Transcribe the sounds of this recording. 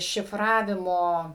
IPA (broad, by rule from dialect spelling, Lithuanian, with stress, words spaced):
ʃʲɪˈfrɑːʋʲɪmoː